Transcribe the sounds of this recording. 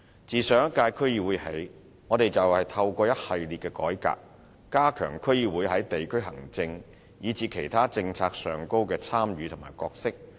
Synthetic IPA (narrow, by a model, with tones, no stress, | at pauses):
t͡siː˨sœː˨˥ŋ˥kaː˧jkʰɵ˥ɥjiː˧wuː˨˥jhḛ˨˥j | ŋɔː˨˧t̪e˨jt͡sɐ˨whɐ˨jt̪ʰɐ˧wkʷɔː˧jɐ˥t̚hɐ˨jliː˨t̚kɛ˧kɔː˨˥jka̰ː˧k̚ː | aː˥kʰœ̰ː˨˩ŋkʰɵ˥ɥjiː˧wuː˨˧jhɐ˨˥jt̪e˨jkʰɵ˥ɥɦɐ̰˨˩ŋt͡sɪ˧ŋ | jiː˨˧t͡siː˨˧kʰe˨˩jt̪ʰaː˥t͡sɪ˧ŋt͡sʰaː˧k̚sœː˨ŋko˥wkɛː˧t͡sʰaː˥mjyː˨t̪ʰʊ˨˩maː˨˩jkɔː˧k̚sɪ˥k̚